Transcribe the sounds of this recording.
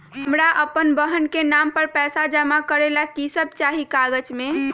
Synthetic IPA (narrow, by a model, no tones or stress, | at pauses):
ɦəmɾaʔəpənbəɦənkenampəɾpɛsad͡ʒəmakəɾelakisəb̚t͡ʃaɦikaɡəd͡ʒme